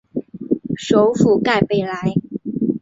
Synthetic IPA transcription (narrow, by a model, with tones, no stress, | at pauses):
ʂo˧˥ʊfu˨˩ka˥˩ɪpe˥˩ɪla˧˥ɪ